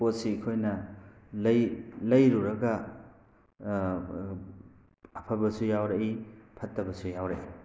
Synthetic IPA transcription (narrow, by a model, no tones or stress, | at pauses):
posikʰojnɐ | lɐjlɐjɾuɾɐɡɐ | ɐpʰɐbɐsujawɾɐʔipʰɐtːɐbɐsujawɾaʔi